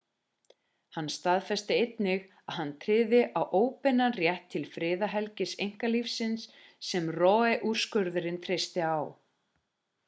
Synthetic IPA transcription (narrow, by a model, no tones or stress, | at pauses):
hanːst̪aðfɛst̪ɪejt̪nɪɣ | aðhanːt̪ʰɾɪːðɪʔawʔoːwpɪnarjɛht̪ʰːɪlfɾɪːðaɦɛlcɪsejŋ̥kalifsɪnsːɛmrɔːɛʔur̥skœɾðʏɾɪnt̪ʰɾest̪ɪaw